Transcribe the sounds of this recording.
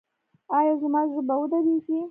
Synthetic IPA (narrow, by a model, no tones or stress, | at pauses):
ɑjɑzmɑʒəbawəd̪ad̪iʃi